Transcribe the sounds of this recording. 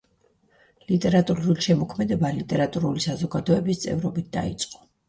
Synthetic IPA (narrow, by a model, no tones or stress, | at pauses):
lit̪ʼɛɾat̪ʼuuliʃɛmɔkʰmɛd̪ɛbalit̪ʼɛɾat̪ʼuɾulisazɔɡad̪ɔɛbist̪sʼɛ̰vɾɔbit̪̚d̪̥a̰ḭt̪sʼqʼɔ̥